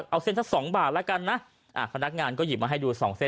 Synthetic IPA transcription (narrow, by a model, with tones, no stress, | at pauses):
ʔa˧wse˥˩nʰa˦˥ksɔː˩˦ŋbaː˨˩t̪̚lɛ˦˥ka˧nːa˦˥ʔ | ʔaː˨˩pʰa˧na˦˥k̚ŋaː˧nkɔː˥˩ji˨˩pmaː˧ɦa˥˩jduː˧sɔː˩˦ŋse˥˩